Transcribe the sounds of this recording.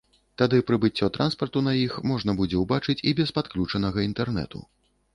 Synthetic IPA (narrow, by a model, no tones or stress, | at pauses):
t̪ad̪ɨpɾɨbɨt͡sʲːɔt̪ɾʔanspɐrt̪unɐjixmɔʐnɐbud͡zʲɛwbat͡ʂɨt͡sʲibʲɛspat̪klʲut͡ʂɐnɐɣɐint̪ɛrnɛ̰t̪ṵ